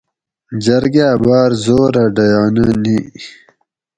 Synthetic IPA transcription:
d͡ʑɐɾɡabaːɾzoːɾaɖɐjaːnani

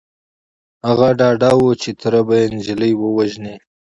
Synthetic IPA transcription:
haɣaɖɑɖawot͡ʃet̪ʰaɾabajenʒɪləjwəwaʒne

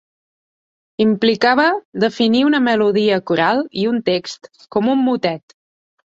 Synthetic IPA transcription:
implikaβəd̪əfiniunəməluðiəkuɾalˠiunt̪ekst̪ | kɔmumːut̪ɛt̪

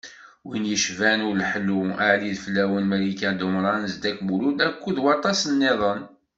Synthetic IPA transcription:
winjəʃvænʊɾlħəlːuaʕliðfəlːæwənmælikæd̪ʊmɾˤɑnzd̪ækbululækʷːuðwɑɾt̪ˤɑsənːeðˤən

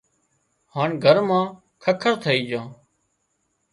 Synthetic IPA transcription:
haːɳɡʱəɾmãː | kʰəkʰəɾt̪ʰəiːd͡ʒãː

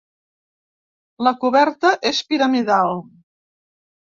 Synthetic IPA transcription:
ləkuβɛɾt̪əʔespiɾəmiðalˠ

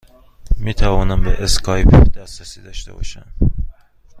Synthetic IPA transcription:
miːt̪ʰævɒːnæmbeʔeskʰɒːjpʰd̪̥æsɾæsiːd̪ɒːʃt̪ḛbɒ̰ʃæ̰n

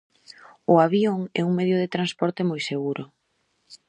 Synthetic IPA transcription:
ʊaβjoŋɛ̰uŋmeðjʊð̞et̪ɾanspɔɾt̪ɪmojseɣuɾʊ

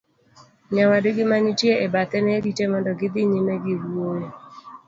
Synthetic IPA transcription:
ɲawadɪɡɪmanitjeʔebat̪ɛnɛɡitemɔndɔɡɪd̪ɪɲimeɡɪɾwoje

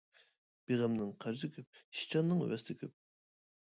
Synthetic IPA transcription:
b̥eʁæmnɨŋqʰæɾzɪkʲʰyp̚ʃi̥t͡ʃʰɑnːɨŋ̰wɛst̪ʰɪkʲʰyp̚

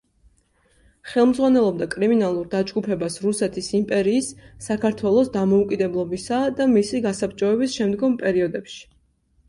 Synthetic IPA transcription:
χɛlˠmd̪zʁwanɛlˠɔb̚d̪akʼɾiminalˠuɾd̪ad͡ʒɡupʰɛbasɾusɛt̪ʰisimpʼɛɾiːsːakʰaɾt̪ʰwɛlˠɔsd̪amɔukʼid̪ɛblˠɔbisad̪amisiɡasapt͡ʃʼɔɛbisʃɛmd̪ɡɔmpʼɛɾiɔd̪ɛpʃi̥

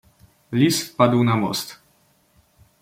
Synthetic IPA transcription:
lʲisfpad̪wnamɔ̰st̪

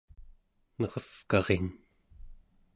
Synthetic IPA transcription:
nʌʁʌfkɑʁen

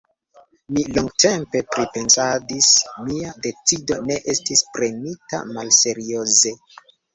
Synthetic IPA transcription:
miloŋɡte̞mpe̞pɾipe̞nsadismiade̞t͡sido̞ne̞ʔe̞stispɾe̞nita̰malse̞ɾio̞ze̞

